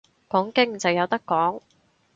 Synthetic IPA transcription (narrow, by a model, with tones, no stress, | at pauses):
kɔː˨˥ŋkɪ˥ŋt͡sɐ˨wjɐ˨˧wt̪ɐ˥kːɔː˨˥ŋ